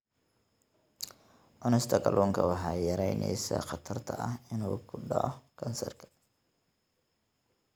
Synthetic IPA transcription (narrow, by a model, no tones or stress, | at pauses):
ʔɔnɛst̪ʰɐɡʰɐlʔuːŋkʰɐwɑħɑːjɐɾɛjnʔɛ̰jsɐ̰χɑt̪ʰɐrt̪ʰɐʔɐhɪnuːkʰʊɖɑ̰ʕɔkʰɐnsɐrkʰɐ̥